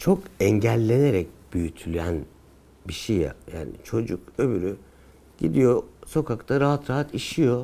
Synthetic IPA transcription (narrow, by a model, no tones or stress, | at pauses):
t͡ʃʰo̞kɛɲɟælʲːe̞ne̞ɾɛc̚b̥yjyt̪ʰylʲyjæn | biʃeja̰ja̰ːnḭt͡ʃʰo̞d͡ʒukø̞byɾy | ɟ̥ḭd̪ijo̞so̞kʰakt̪ʰaɾaɦat̪ɾaɦat̪iʃijo̞